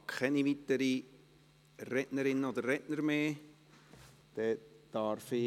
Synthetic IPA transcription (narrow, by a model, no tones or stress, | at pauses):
kʰχɛniʋit̪əɾi | rɛʔnəɾɪnːəod̪əɾrɛʔnəɾmeː | d̥ɛd̥ɑɾfɪ